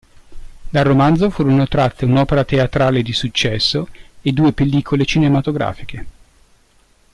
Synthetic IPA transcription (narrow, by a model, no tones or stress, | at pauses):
d̪arːomand̪zofuːɾonot̪ɾat̪ʰːeunɔːpeɾat̪eat̪ɾaːled̪isut͡ʃːɛsːoed̪uːepelːiːkʰolet͡ʃinemat̪oɡɾa̰ːfikʰe